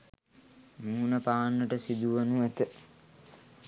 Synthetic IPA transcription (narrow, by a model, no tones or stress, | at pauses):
muːnəpaːnːəʈəsid̪uʋɐnuæt̪ə